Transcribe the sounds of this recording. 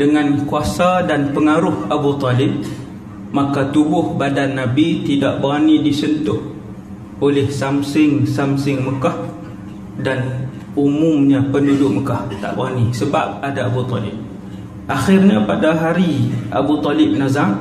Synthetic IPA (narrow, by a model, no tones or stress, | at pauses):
dəŋankuasadanpəŋaɾʊhabut̪ɔlɪb̚ | makat̪ubʊhbadanːabit̪ida̰ʔbəɣanidisənt̪ʊh | olɪhsamsɪŋsamsɪŋməkah | dan | umʊmɲapəndudʊʔməkaht̪a̰ʔbə̰anisəba̰p̚adaabut̪ɔ̰lɪ̰b̚ | ʔaxɪrɲapadaɦaɾia̰but̪ɔlɪb̚nazam